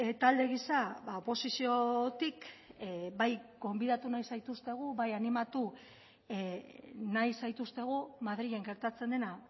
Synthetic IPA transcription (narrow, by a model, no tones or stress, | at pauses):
et̪ald̪e̞ɣisaβaopo̞sisio̞t̪ik | bajɡo̞mbiðat̪unajsajt̪ust̪e̞ɣ̞uβajanimat̪u | najsajt̪ust̪e̞ɣ̞umað̞ɾiɣe̞ŋɡe̞ɾt̪at͡se̞nd̪e̞na